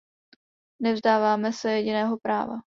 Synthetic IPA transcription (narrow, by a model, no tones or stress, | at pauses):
nɛvzdaːvaːmɛsɛjɛɟɪnɛːɦo̞pɾa̰ːva̰